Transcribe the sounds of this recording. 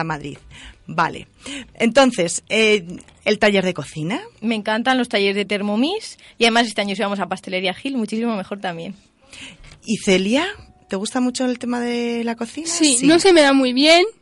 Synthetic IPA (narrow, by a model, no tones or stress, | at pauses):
maðɾḭðba̰lḛ | e̞nt̪o̞n̟θe̞se | elt̪aʎe̞ɾðe̞ko̞θiname̞ŋkant̪anlo̞st̪aje̞ɾezðe̞t̪e̞ɾmomisiaðe̞mas̬est̪eaɲos̬iβamo̞sapast̪e̞le̞ɾjaxilmut͡ʃisimo̞mexo̞ɾt̪amje̞n | iθe̞lja | t̪e̞ɣust̪amut͡ʃo̞elt̪e̞maðe̞lako̞θinasinosemeðamujβje̞n